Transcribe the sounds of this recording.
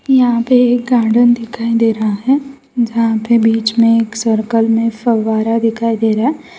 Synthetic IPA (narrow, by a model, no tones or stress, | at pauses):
jɐɦãpeeːk̚ɡãːɖənd̪ɪkʰaːid̪eːɾɐɦaɦɛː | d͡ʒɐɦãpebiːt͡ʃmẽeːksəɾkəlmẽfɐʋaːɾad̪ɪkʰaːid̪eːɾaɦɛː